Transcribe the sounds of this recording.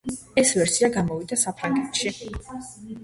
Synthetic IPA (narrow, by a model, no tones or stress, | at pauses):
ɛsvɛɾsiaɡamɔvid̪asapʰɾaŋɡɛt̪ʃi